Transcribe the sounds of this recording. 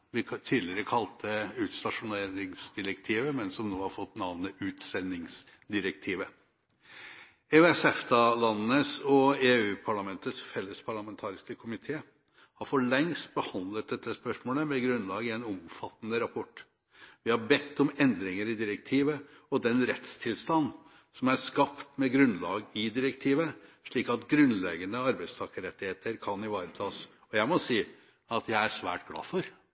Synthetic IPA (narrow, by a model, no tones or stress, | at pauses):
ʋɪt̪ʰiːd̪lɪɾəkʰɑlt̪ʰəʉːt̪st̪ɑʂʊneːɾɪŋsd̪ɪɾəkt̪ʰiːʋəmɛnsɔmnoːhɑɾfɔt̪ːnɑʋnəʔʉːt̪sɛnːɪŋs | d̪ɪɾək̚t̪ʰiːʋə | ɛɛsɛft̪ɑlɑnːəsɔeːʉːpʰɑɭɑmɛnt̪ət̪sfɛlːəspʰɑɭɑmɛnt̪ʰɑːɾɪskəkʰʊmɪt̪ʰeː | hɑɾfɔɭɛŋst̪̚bəhɑnd̪lət̪̚d̪ɛt̪ːəspœʂmoːləmɛɡɾʉnlɑːɡəɛnɔmfɑt̪ːənəɾɑpʰɔʈː | ʋɪhɑbɛt̪ːɔmɛnd̪ɾɪŋəɾɪd̪ɪɾək̚t̪ʰiːʋəɔd̪ɛnɾɛt̪st̪ʰɪlst̪ɑnː | sɔmæɾskɑpt̪mɛɡɾʉnlɑːɡɪd̪ɪɾəkt̪ʰiːʋəʂɭiːkɑt̪ɡɾʉnlɛɡənəɑɾbæɪst̪ʰɑːkəɾɛt̪ːɪheːt̪əɾkʰɑnɪʋɑːɾət̪ʰɑːs | ɔjæɪmɔsiː | ɑt̪jæɪæʂʋæ̰ːʈɡlɑ̰ːfɔɾ